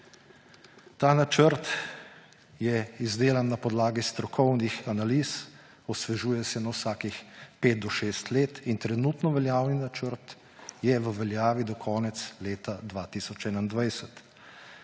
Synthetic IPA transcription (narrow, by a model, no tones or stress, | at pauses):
t̪aːnat͡ʃəɾt̪ | jɛizd̪eːlanːapɔd̪laːɡist̪ɾɔkʰɔwnixanaliːs | ɔsʋɛʒuːjɛsɛnawsaːkixpeːt̪̚d̪ɔʃeːst̪leːt̪int̪ɾɛnuːt̪nɔʋɛljaːwninat͡ʃəɾt̪ | jɛʋəʋɛljaːʋid̪ɔkʰɔːnɛt̪sleːt̪ad̪ʋaːt̪iːsɔt͡ʃɛːnaind̪ʋajsɛt̪